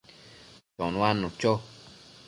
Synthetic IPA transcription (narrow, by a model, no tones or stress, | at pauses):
t͡ʃɔ̰̃nũanũt͡ʃo